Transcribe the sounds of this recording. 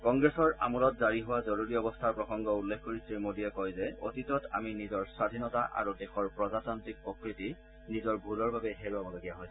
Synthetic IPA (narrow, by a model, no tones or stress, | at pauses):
kɔŋɡɹesɔɹa̰mɔlɔtzaɹiɦʊwazoɹuɹiɔbɔstʰaɹpɹɔxɔŋɡɔulːekʰkoɹisiɹmodiɛkɔjzɛo̰titɔtʰa̰minizɔɹswadʱinɔtaʔa̰ɹudexɔɹpɹɔzatɔntɹik̚pokɹiti | nizɔɹbʱulɔɹbabɛɦeɹuamɔzaɡijaɦɔjs